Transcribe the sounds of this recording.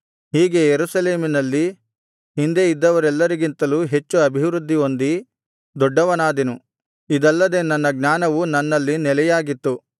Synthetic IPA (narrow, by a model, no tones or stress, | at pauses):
ɦiːɡe̞jeɾusɐle̞ːminɐlːi | ɦind̪e̞id̪ːɐʋɐɾɛlːɐɾiɡint̪ɐluːɦe̞t͡ʃːuɐbʱiʋɾud̪ːio̞nd̪i | d̪ɔɖːɐʋɐnaːd̪enu | id̪ɐlːɐd̪e̞nːɐnːɐɡnaːnɐʋunɐnːɐlːinɛlɛjaːɡit̪ːu